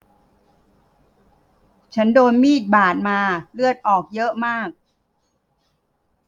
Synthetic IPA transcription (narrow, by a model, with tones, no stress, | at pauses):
t͡ɕʰa˦˥ndoː˧nmiː˥˩t̪̚baː˨˩t̪̚maː˧lɯ˥˩ət̪̚ʔɔː˨˩k̚jɤ˦˥ʔmaː˥˩k̚